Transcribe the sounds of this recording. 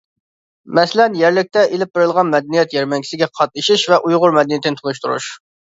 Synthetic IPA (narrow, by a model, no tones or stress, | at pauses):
mɛslɛnjɛɾlɪk̚ʲt̪ɛʔelɪp̚beɾɪlˠʁɑnmɛd̪ɛnijɛt̪jɛɾmɛŋkʲi̥sɪɡʲɛqʰɑt̪̚nɨʃiʃvɛʔujʁʊɾmɛd̪ɛnijit̪ʰɪnt̪ʰunuʃt̪uɾṵʃ